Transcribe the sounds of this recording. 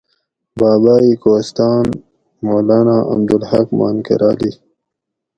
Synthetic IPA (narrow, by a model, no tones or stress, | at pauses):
baːbaːiːkoːst̪ɑːn | moːlaːnaʔa̰md̪ulhakma̰ːnkḛɾʔaːli